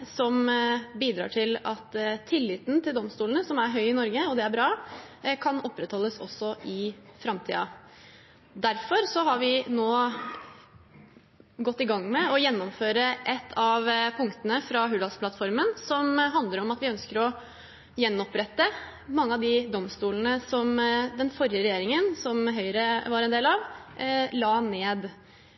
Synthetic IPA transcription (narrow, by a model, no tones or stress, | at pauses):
sɔmbiːd̪ɾɑ̰ːʈʰɪlɑt̪ʰːɪlːɪt̪n̩t̪ʰɪld̪ɔmst̪uːln̩əsɔmæɾɦœʏɪnɔɾɡəɔd̪ɛæɾbɾɑːkʰɑnɔpːɾət̪hɔlːəsɔsːɔʔɪfɾɑmt̪ʰḭːɑ | d̪æɾfɔɾsɔɦɑɾʋɪnoː | ɡɔt̪ːɪɡɑŋːmɛɔjɛnːɔmføːɾəʔɛt̪ʰːɑʋpʰʊŋkt̪ənəfɾɑɦʉːd̪ɑlspʰlɑt̪fɔɾmənsɔmɦɑnd̪ləɾɔmɑt̪ʋɪœnskəɾɔ | jɛnːɔpɾɛt̪ːə | mɑŋːəɑd̪ɪd̪ɔmst̪uːlnəsɔmd̪ɛnfɔɾɪjəɾɛjeːɾɪŋənsɔmɦœʏɾəʋɑɾɛnd̪eːlɑʋ | lɑːneːd̪